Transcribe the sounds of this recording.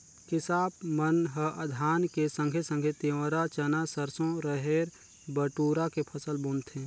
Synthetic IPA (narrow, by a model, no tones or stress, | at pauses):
kɪsaːp̚mənɦəʔəd̪ʱaːnkesə̃ŋɡʱesə̃ŋɡʱet̪eʋɾat͡ʃənasəɾsõɾəɦeːɾ | bəʈuːɾakepʰəsəlboːnt̪ʰẽː